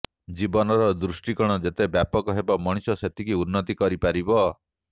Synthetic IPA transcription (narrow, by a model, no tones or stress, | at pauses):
d͡ʒibɔnɔɾɔd̪ɾusʈikɔɽ̃ɔd͡ʒet̪ebjapɔkɔɦebamɔɽ̃isɔset̪ʰikiunːɔt̪ikɔɾipaɾibɔ